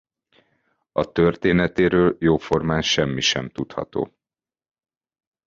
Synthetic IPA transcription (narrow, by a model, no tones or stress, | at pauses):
ɒt̪ørt̪eːnɛt̪eːɾøːljoːfo̞rmaːnʃɛmːiʃɛmt̪ut̪hɒ̰t̪o̰ː